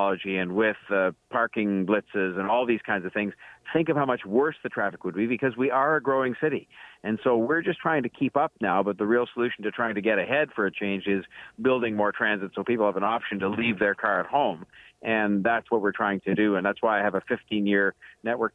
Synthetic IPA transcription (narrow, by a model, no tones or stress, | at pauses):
ɑlˠəd͡ʒiɨ̃nwɪð̥pʰɑɹkɪ̃ŋblɪtsɪzɨ̃nɔlˠðiz̥kʰãɪ̃ndzʌv̥θɪ̃ŋz̥θɪ̃ŋkʌv̥haʊmʌt͡ʃwɜ˞sðɨtʰɹ̥æfɨkwəd̚bibɨkʰʌzwiʔə˞ɨɡɹoʊɪ̃ŋsɪɾiɨ̃nsoʊwɪɹd͡ʒʌstʰɹ̥aɪɪ̃ŋtʰɨkʰipʌp̚naʊbʌt̪̚ðəɹilˠsəlʉʃn̩tɨtʰɹ̥aɪɪ̃ŋtɨɡɛɾɨhɛd̥fə˞ɨt͡ʃʰẽɪ̃nd͡ʒɪzbɪlˠdɪ̃ŋmɔɹtʰɹ̥æ̃nzɨtsoʊpipl̩ˠhəvə̃nɑpʃɨ̃n̩təlivðə˞kʰɑɹɨt̚hõʊ̃mʔɨ̃nðætswʌt̚wɨɹtʰɹ̥aɪɪ̃ŋtʰɨdɨɨ̃nðætswaɪaɪɨvɨfɪftʰĩnjɪɹnɛʔ̚wʔɜ˞k̚